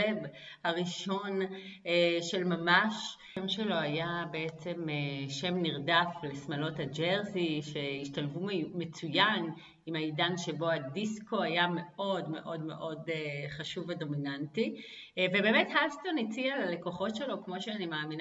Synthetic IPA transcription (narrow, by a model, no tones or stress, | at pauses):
eb | haʁiʃo̞n | ʃe̞lmamaʃ | mʃelo̞ajabeet͡se̞meʃe̞mniʁdaflesmalo̞thad͡ʒelsiʃe̞iʃtalvume̞t͡sujan | imaidanʃe̞bo̞adisko̞ajame̞ʔo̞dme̞̰ʔo̞dme̞̰ʔo̞deχaʃuvedo̞minantivebe̞metɦalsto̞nit͡sialale̞ko̞χo̞tʃe̞lo̞kmo̞ʃeanimaːmin